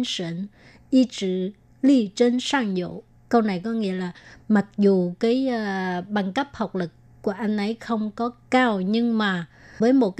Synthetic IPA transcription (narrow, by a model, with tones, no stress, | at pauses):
nsḭ˧˨n | ʔi˧t͡ɕɨ̰˧˨ | li˧t͡ɕe˧nsaː˧ŋzo̰˧˨ | kə˧wna˨˩jkɔ˨˦ŋḭ˧˥əlaː˨˩ma˨˩k̚zu˨˩kaː˨˦jɓa˨˩ŋkə˦˥p̚hə˨˩wk͡p̚lɨ˨˩kːu˧˩əʔa˧jŋ̟ʔə˧˩˦jxə˧wŋ͡mkɔ˨˦kaː˧wɲɨ˧ŋmaː˨˩ | vəː˨˦jmo˨˩t̚k